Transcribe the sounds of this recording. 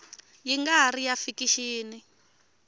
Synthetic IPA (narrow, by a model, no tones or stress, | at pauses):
jiŋɡaarijafikiʃiːni